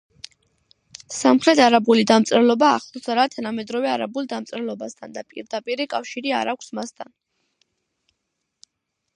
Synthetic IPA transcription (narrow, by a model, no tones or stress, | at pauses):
samχɾɛt̪ʰaɾabulid̪amt̪sʼɾɛlˠɔbaːχlˠɔsaɾat̪ʰanamɛd̪ɾɔvɛaɾabulˠd̪amt̪sʼɾɛlˠɔbast̪ʰand̪apʼḭɾd̪apʼiɾikʼafʃiɾia̰ɾakʷʰsmast̪ʰan